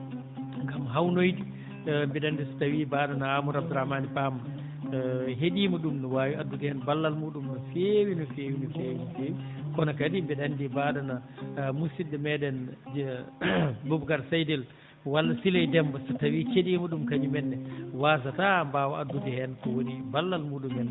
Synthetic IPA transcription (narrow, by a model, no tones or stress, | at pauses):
ŋɡamɦawnojdi | mbɛɗandisḁtawibaːdanaamuɾab̚dɾamanipama | ɦeɗiːmɔɗumnɔwaːwiadːutɛhɛnbalːalmuɗumnɔfewinɔfeːwinɔfeːwinɔfeːwikɔnakadimbɛɗandibadanamusidɛmɛdɛn | bubkaɾsajdɛl | walːasilajdɛmbasatawit͡ʃeɗiːmɔɗumkaɲumɛnːɛwaːs̬atambaːwaadːutɛhɛnkɔwonibalːalmuːɗumɛnː